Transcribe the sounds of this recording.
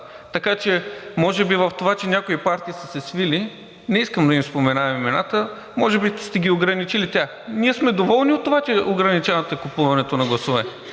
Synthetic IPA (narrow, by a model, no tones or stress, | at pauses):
t̪ɐkat͡ʃɛmɔʒɛbivɐft̪ovat͡ʃɛnʲakoipaɾt̪iːsəsɛsvili | nɛiskəmd̪ɐimspomɛnaɐmimɛnat̪ə | mɔʒɛbist̪ɛɡʲioɡɾɐnit͡ʃilit̪ʲaxniɛsmɛd̪ovɔlˠniot̪ːovat͡ʃɛʔoɡɾɐnit͡ʃanɐt̪əɛkupuvɐnɛt̪onɐɡlˠɐsovɛ